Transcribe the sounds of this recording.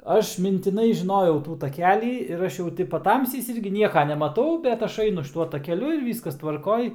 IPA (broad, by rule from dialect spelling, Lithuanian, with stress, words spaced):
ˈɐʃ mʲɪnʲtʲɪˈnɐɪ ʒʲɪˈnoːjɛʊ ˈtuː tɐˈkʲæːlʲiː ɪr ˈɐʃ jɛʊ ˈtʲɪ pɐˈtɐmʲsʲɛɪs ˈɪrʲɡʲɪ ˈnʲiɛkɐ nʲɛmɐˈtɐʊ bʲɛt ˈɐʃ ˈɐɪnʊ ʃʲɪˈtuɔ tɐkʲɛˈlʲʊ ɪr ˈʋʲiːskɐs tʋɐrˈkoːj